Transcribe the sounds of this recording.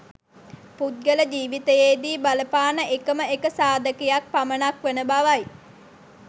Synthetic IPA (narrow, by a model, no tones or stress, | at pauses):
put̪̚ɡələd͡ʒiːʋit̪əjeːd̪iːbaləpaːnəʔekəməekəsaːd̪əkejak̚pamənakʋenəbaʋaj